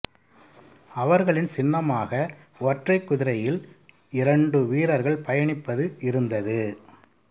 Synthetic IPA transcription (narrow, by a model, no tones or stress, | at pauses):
ɐʋɐɾɣɐɭɪnsɪnːɐmaːɣɐ | ɔʈrɐɪkːʊðɪɾɐjɪl | ɪɾɐɳɖɯʋiːɾɐɾɣɐɭpɐjɐɳɪpːɐðɯɪɾɯnd̪ɐðɯ